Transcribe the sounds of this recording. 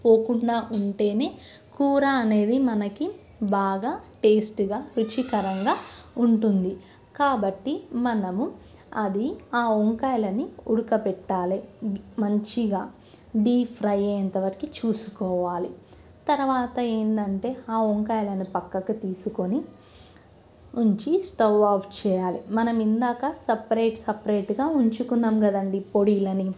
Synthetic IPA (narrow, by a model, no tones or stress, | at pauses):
poːkuɳɖaːʔuɳʈe̞ːne̞ː | kuːɾaɐne̞ːd̪imɐnɐki | baːɡaːʈe̞ːsʈɡaːʋut͡ʃikɐɾɐŋɡaːuɳʈund̪i | kaːbɐʈːimɐnɐmu | ɐd̪iaːoŋkaːjlɐniuɽukɐpɛʈːaːlimɐɲt͡ʃiɡaː | ɖiːpʰɾɐjeɐnt̪ɐʋɐɾɐkit͡ʃuːsukɔːʋaːli | t̪ɐɾuʋaːt̪ɐe̞ːnd̪ɐɳʈe̞ːaːoŋkaːjlɐnipɐkːɐkɐt̪iːsukoni | uɲt͡ʃisʈɐwaːpʰt͡ʃɛːjaːlimɐnɐmind̪aːkɐsɐpɐɾeːʈsɐpɐɾeːʈɡaːuɲt͡ʃukund̪aːmɡɐd̪ɐɳɖipo̞ɽiːlɐni